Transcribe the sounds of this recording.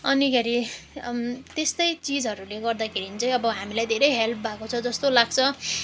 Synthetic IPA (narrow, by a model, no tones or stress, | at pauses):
ʌnikʰeɾi | t̪est̪ʌjt͡sid͡zɦʌɾuleɡʌrd̪akʰeɾinit͡sʌj̃ʌbʌɦamilajd̪ʱeɾʌjɦelp̚ʰbʱakot͡sʰʌd͡zʌst̪olaɡt͡sʰʌ